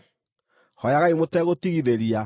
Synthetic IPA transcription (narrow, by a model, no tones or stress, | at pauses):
hɔjaɣaimotɛɣotiɣiðeɾia